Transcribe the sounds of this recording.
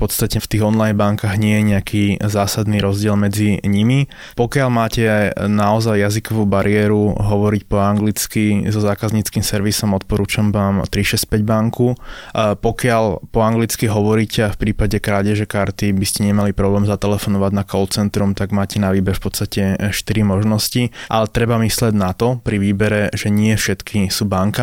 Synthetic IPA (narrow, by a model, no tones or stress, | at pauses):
fpɔt̪st̪acɛft̪iːɣɔnlajnbaŋkaɣɲɪɛjɛɲɛakʰiːzaːsad̪niɾɔzɟɪɛlmɛd͡ziɲimi | pɔkɪalmaːcɛnaɔzajːazikɔʋuːbaɾiɪɛːɾuɦɔʋɔɾicpɔaŋɡlit͡skizɔzaːkazɲit͡skiːmsɛɾʋisɔmɔt̪̚pɔɾuːt͡ʃamʋaːmt̪ɾiʃɛsc̚pɛɟbaŋkupɔkɪalpɔaŋɡlit͡skiɦɔʋɔɾiːcɛafpɾiːpaɟɛkɾaːɟɛʒɛkaɾt̪ibiscɛɲɛmalipɾɔblɛːmzat̪ɛlɛfɔnɔʋaɟnakɔlt͡sɛnt̪ɾumt̪aɡmaːcɛnaʋiːbɛɾfpɔt̪st̪acɛʃt̪iɾimɔʒnɔsciʔalɛt̪ɾɛbamislɪɛɟnat̪ɔpɾiʋiːbɛɾɛʒɛɲɪɛfʃɛt̪kʰisuːbaŋka